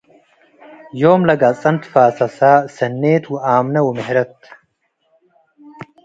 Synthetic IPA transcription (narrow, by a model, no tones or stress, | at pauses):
joːmlɐɡat͡sʼɐnt̪faːsɐsaːsɐnːeːt̪wuaːmnɐwumɪɦɾɐt̪